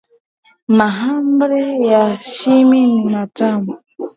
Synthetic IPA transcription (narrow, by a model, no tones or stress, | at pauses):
maɦambɾɛjaʃiminimatamu